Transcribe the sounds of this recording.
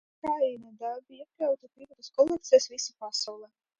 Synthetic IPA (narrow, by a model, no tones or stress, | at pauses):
kɾaːjinad̪albiiɛklʲawt̪apiɾɔt̪uskɔlˠɛk̚t̪sɛsvisapasawlˠɛ